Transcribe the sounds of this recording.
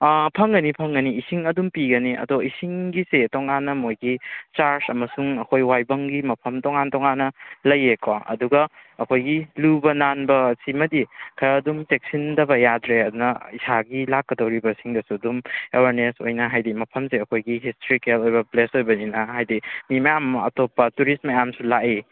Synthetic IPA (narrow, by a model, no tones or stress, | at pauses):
pʰɐŋɡɐnipʰɐŋɡɐniisiŋɐdumpiɡɐniʔɐ̰doisiŋɡisetoŋanːɐmojɡit͡ʃaɾsɐmɐsuŋɐkʰojwajbɐŋɡimɐpʰɐmtɔŋantɔŋanːɐlɐjekoɐ̰duɡɐːkʰojɡilubɐnanbɐsimɐdikʰɐɾɐdumtek̚sindɐbɐjadɾeɐdunɐisaɡilakːɐdɐwɾibɐsiŋdɐsuɐdumḛweɾneso̰jnɐɦajdimɐpʰɐmseɐkʰojɡiɦistɾikelojbɐplesojbɐninɐɦajdimimɐjamɐ̰topːɐtuɾismɐjamsulaʔe